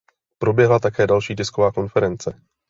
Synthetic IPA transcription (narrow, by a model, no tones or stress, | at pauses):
pɾo̞bjɛɦlat̪akɛːdalʃiːtɪsko̞vaːko̞nfɛɾɛnt͡sɛ